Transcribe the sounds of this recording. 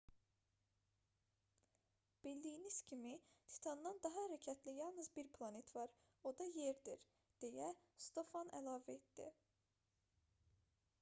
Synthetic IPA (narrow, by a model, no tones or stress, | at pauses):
b̥ild̪ijiniz̥cʲʰimit̪ʰi̥t̪ʰɑnd̪ɑnd̪ɑɦɑhæɾæcʰæt̪ʰlijɑlˠnɯzbiɾpʰlˠɑne̞t̪ʰvɑɾ | o̞d̪ɑjeɾd̪iɾ | d̪̥e̞jæst̪o̞fɑnæ̰lˠɑːvæet̪d̪ḭ